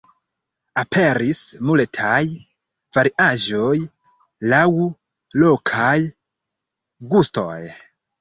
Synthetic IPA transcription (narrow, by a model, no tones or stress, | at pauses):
apʰe̞ɾismultʰaj | v̥aɾiʔaʒoj | law | lo̞kʰaj | ɡusto̰j